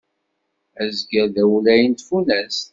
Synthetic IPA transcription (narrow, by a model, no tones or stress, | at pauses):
æzɡəɾðæwlæjənt̪funæs